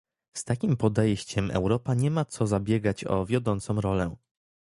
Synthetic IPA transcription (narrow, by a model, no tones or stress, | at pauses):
st̪akʲimpɔd̪ɛjɕt͡ɕɛmɛ̰wɾɔpaɲɛmat̪sɔzabʲjɛɡat͡ɕɔ̰vʲjɔd̪ɔnt̪sɔ̃w̃ɾɔlɛ